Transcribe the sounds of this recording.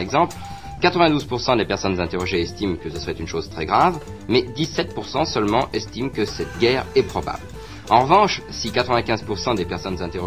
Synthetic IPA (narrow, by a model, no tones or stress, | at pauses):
ɛɡzɑ̃pl | kat̪χəvɛ̃d̪uzpuʁsɑ̃d̪epɛʁsɔnzɛ̃t̪eʁɔʒeɛst̪imkəsəsəʁɛt̪ynʃozt̪χɛɡʁavmɛd̪isɛt̪̚puʁsɑ̃sœlmɑ̃ʔɛst̪imkəsɛt̪ɡʲɛʁɛpχɔba̰bl | ɑ̃ʁəvɑ̃ʃsikat̪χəvɛ̃kʲɛ̃zpuʁsɑ̃d̪epɛʁsɔnzɛ̃t̪eʁɔ